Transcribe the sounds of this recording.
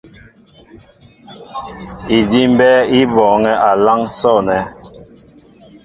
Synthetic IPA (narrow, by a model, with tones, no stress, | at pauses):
i˨di˦m˦bɛ˦i˦bɔː˨ŋɛ˦ʔa˨la˦ŋsɔ˦˨nɛ˨˦